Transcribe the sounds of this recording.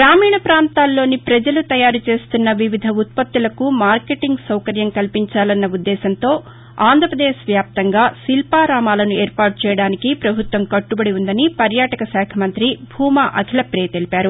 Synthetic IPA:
ɡɾaːmiːɳɐpɾaːnt̪aːlːo̞ːnipɾɐd͡ʒɐlut̪ɐjaːɾut͡ʃe̞ːst̪unːɐʋiʋid̪ʱɐut̪̚pɐt̪ːulɐkumaːɾkeʈiŋɡsɐwkɐɾjɐmkɐlpiɲt͡ʃaːlɐnːɐud̪ːɛːsɐnt̪o̞ː | aːnd̪ʱɾɐpɾɐd̪eːʃʋjaːp̚t̪ɐŋɡaːsilpaːɾaːmaːlɐnueːɾpaːʈ̚t͡ʃɛːjɐɽaːnikipɾɐbʱut̪ʋɐmkɐʈːubɐɽiund̪ɐnipɐɾjaːʈɐkɐsɛːkʰɐmɐnt̪ɾibʱuːmaːʔɐkʰilɐpɾeːt̪elipaːɾu

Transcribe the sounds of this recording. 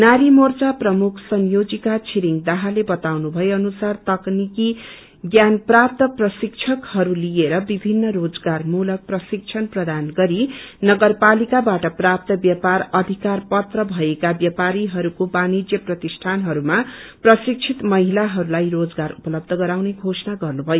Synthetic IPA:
naɾimort͡saprʌmukʰsʌnjod͡zikat͡sʰiɾiŋd̪ʌɦalebʌt̪awnubʱʌeʌnusart̪ʌkniki | ɡjanprap̚t̪ʌprʌsik̚t͡ʃʰʌkhʌɾulijeɾʌbibʱinːʌrod͡zɡarmulʌk̚prʌsik̚t͡sʰʌnprʌd̪anɡʌɾinʌɡʌrpalikabaʈʌprap̚t̪ʌbjʌparʌd̪ʱikarpʌt̪rʌbʱʌekabjapaɾiɦʌɾukobanid͡zjʌprʌt̪isʈʰanɦʌɾumaprʌsik̚t͡ʃʰit̪mʌɦilaɦʌɾulajrod͡zɡaɾupʌlʌb̚d̪ʱʌɡʌɾawneɡʱosnaɡʌrnubʱʌjo

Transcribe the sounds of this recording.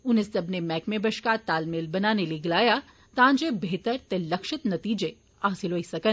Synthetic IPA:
ʊnesɐbnemɛːkmẽbɐʃkat̪aːlmelbɐnaːneliɡɐlaːja | t̪ãːnd͡ʒebeːt̪əɾt̪elɐkʃɪt̪nɐt̪iːd͡ʒe | aːsɪlɦoːisɐkən

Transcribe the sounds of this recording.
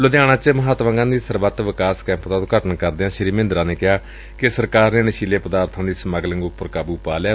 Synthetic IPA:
lʊd̪ɪjaːɽ̃ãːt͡ʃəməɦaːt̪ʋə̃ŋɡãːnd̪iːsəɾʋət̪ʋɪkaːskɛ̃ːmpt̪aːt̪õːɡəʈənkəɾd̪eːãːʃəɾiːmɪ̃nd̪ɾãːneːkɪɦaː | kɪsəɾkaːɾneːnəʃiːleːpəd̪aːɾt̪ʰãːd̪iːsəməɡləŋɡʊpːəɾkaːbuːpaːlaː

